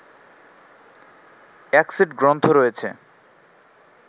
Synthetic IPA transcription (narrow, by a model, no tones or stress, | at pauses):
ɛksiɖɡɾont̪ʰoɾojet͡ɕʰḛ